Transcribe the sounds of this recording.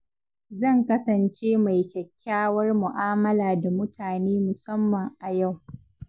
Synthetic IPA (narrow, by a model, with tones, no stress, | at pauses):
zɐ˦˨ŋkɐ˦sɐ˨nt͡ʃeː˦ma˨jkʲɐ˨kʲʰːaː˦wɐ˦rmʊ˨ʔaː˦mɐ˦laː˨da˨mʊ˦tʰaː˨neː˦mʊ˨sɐ˦mːɐ˨ŋʔa˨ja˦˨w